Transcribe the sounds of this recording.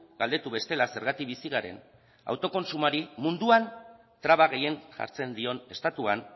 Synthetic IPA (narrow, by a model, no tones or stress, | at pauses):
ɡald̪et̪uβe̞st̪e̞lase̞ɾɣ̞at̪ikβisiɣ̞aɾe̞̰n | a̰wt̪o̞ko̞nsumaɾimund̪uan | t̪ɾaβaɣ̞e̞je̞ŋʝa̰ɾt͡se̞nd̪io̞ne̞st̪at̪uan